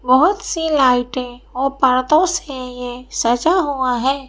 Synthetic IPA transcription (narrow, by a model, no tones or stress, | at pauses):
bəɦʊt̪silaːɪʈɦɛ̃ɔːɾpəɾt̪õsejesəd͡ʒaɦuaɦɛː